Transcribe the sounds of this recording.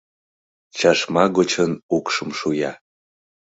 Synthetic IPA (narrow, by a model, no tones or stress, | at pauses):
t͡ɕɑʃmɑɣot͡ɕənukʃəmʃujɑ